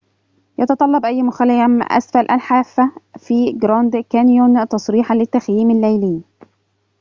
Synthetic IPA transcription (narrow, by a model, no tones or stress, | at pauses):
jɑt̪ɑt̪ˤɑlːɑbʔæjːmʊxælɪjæmʔæ̰sfælʔæ̰lħaːfːæfiːɡɾɑːnd̪kænjont̪ɑsˤɾiːħalɪt̪ːæxjiːmalːæjlɪː